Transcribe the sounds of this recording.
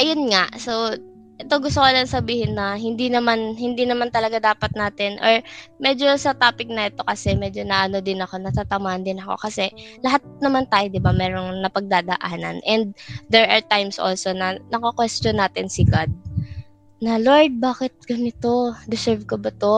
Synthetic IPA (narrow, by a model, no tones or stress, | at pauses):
ʔɐjonŋaʔso̞ | ʔɛt̪o̞ɡʊst̪okolɐɐŋsɐbiːhɪnːɐɦɪnd̪inɐmanhɪnd̪inɐmant̪ɐlɐɡad̪aːpɐt̪̚naːt̪ɛnʔo̰ɹmɛd͡ʒo̞sɐt̪aːpɪk̚nɐɛt̪o̞kɐsɛmɛːd͡ʒonɐʔɐno̞d̪ɪnɐko̞nɐt̪at̪ɐmaːʔɐnd̪ɪnɐko̞̰kɐsɛlɐɦat̪̚nɐmant̪aːjod̪ɪbamɛːɾo̞ŋnɐpɐɡ̚d̪aːd̪ɐʔaːnɐ̰nʔɛnd̪̚d̪ɛɹʔɐɹt̪ajmsʔo̰lso̞nɐnɐkɐkwɛst͡ʃonːaːt̪ɪnsɪɡad̪̚ | nɐloɹd̪̚baːkɪt̪̚ɡɐnɪt̪o̞d̪ɪsɛɹvkobɐt̪o̞